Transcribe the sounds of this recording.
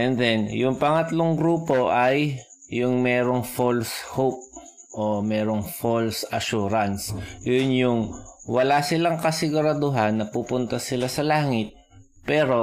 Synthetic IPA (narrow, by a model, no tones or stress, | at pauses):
ʔɛnd̪ɛnjʊŋpɐŋɐt̪loŋɡɾuːpo̞ʔɐjː | ʊŋmɛːɾoŋfolshop̚ | ʔomɛːɾoŋfolsɐʃuːɾɐnsjʊnjʊŋwɐlaːsɪlaŋkɐsɪɡʊɾɐd̪ʊɦanːɐpupʊnt̪ɐsɪlasɐlaːŋɪt̪̚ | pɛːɾo̞